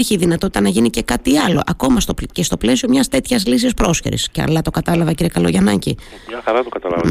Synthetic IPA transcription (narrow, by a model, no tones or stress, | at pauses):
ɾçiðinɐt̪o̞t̪it̪ɐnɐʝinice̞kɐt̪iɐlo̞̰ʔɐko̞mɐst̪opcest̪o̞ple̞siomɲɐst̪e̞t̪çɐzlisispɾo̞sçeɾḭsceɐ̰lɐt̪o̞kɐt̪ɐlɐvɐciɾie̞kɐlo̞̰ʝɐnɐɲcḭ | ɐxɐɾɐt̪okɐt̪ɐlɐ